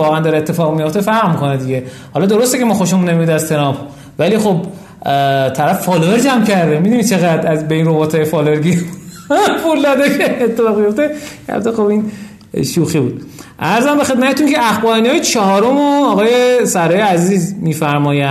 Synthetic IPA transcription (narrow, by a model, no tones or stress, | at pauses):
ɒːɣænd̪ɒɾeet̪ːefɒːɣmijo̞ft̪efæɾʁmikʰo̞ned̪iɟe | hɒlɒd̪oɾost̪ecʰemɒːxo̞ʃemunːemiud̪æzt̪ʰe̞nɒp | væliːxob | t̪ʰæɾæfːɒːloveɾd͡ʒæmcʰæɾd̪emid̪unit͡ʃʰe̞ɣæd̪ɾæzbeinrobɒt̪ʰɒːjefɒːloeɾɡi | pulːɒd̪ekʰenet̪ʰːefɒːʁmijo̞ft̪ekæ̰bt̪oxobin | ʃuːxibuːd̪̚ | ʔæɾzæmbexe̞d̪̚mæt̪et̪unceʔæxbɒiniɒːjet͡ʃʰɒɦɒːɾomoɒɣɒːje̞sæɾɒːjeæziːzmiːfæɾmɒːjæ